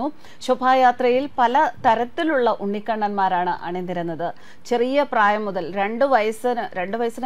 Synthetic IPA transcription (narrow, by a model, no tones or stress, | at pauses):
u | ɕubʱaːjaːt̪rɐjilpɐlɐt̪ɐɾɐt̪ːiluɭːɐʔuɳɖikːɐɳːɐnmaːɾaːɳɨʔa̰ɳenːiɾunːɐðɨ | t͡ɕe̞rijɐpraːjɐmːuðɐlɾe̞ɳɖɨʋɐjɐsɨnɨɾe̞ɳɖɨʋɐjɐsin